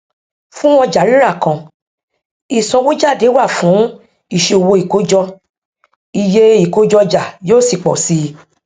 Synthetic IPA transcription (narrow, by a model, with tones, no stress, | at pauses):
fũ˦w̃ɔ̃˧d͡ʒa˨˦li˦ɾa˦˨kã˧ | i˨sɔ̃˧wu˦d͡ʒa˦˨de˨˦wa˦˨fũ˨˦ | i˦˨ʃe˧o˨wo˧i˨ko˨˦d͡ʒɔ˧ | i˨je˦i˦˨ko˨˦d͡ʒɔ˧d͡ʒa˨joː˦˨si˦˨k͡pɔ̰˨si˧